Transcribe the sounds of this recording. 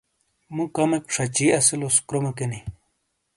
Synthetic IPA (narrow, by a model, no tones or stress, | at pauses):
mũkɐmek̚pʂʰɐt͡ɕiːɐsiloskɾomɐkeni